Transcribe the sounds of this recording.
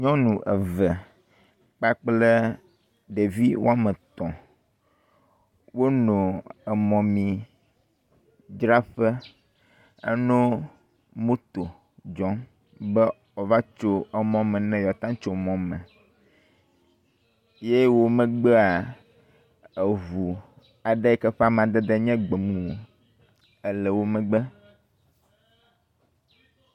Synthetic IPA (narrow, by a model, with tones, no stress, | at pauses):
ɲɔ̃˦nũ˨ʔə˨və˨ | k͡pa˦k͡ple˦ | ɖe˨vi˦wo˦a˦mə̃˨t̪ɔ̃˨ | wo˦nõ˨ə˨mɔ̃˨mĩ˨ | d͡ʒɾa˦ɸə˦ | ə̰˦nõ˦ | mõ˦t̪o˨ | d͡ʒɔ̃˦n | bɛ˦ | ɔ˨va˦t͡ʃo˦ɛ˦mɔ̃˦mɛ̃˨nɛ̃˦jɔ˨t̪ã˦t͡ʃo˨mɔ̃˨mɛ̃˨ | je˦wo˦mɛ̃˨ɡ͡bɛ˦a˨ | e˨vu˨ | a˨ɖɛ˦ɛ˦kɛ˦ɸa˦m˦ã˨d̪ɛ˦d̪ɛ˦ɲɛ̃˦ɡ͡be˨mũ˨o˨ | ɛ˦lɛ˨wo˦mɛ̃˨ɡ͡bɛ˦